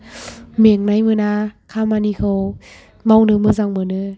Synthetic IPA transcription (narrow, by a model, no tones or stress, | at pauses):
miəŋnajmɯnaːkʰaːmanikʰɯw | mɔŋdɯmɯsaŋmɯnɯ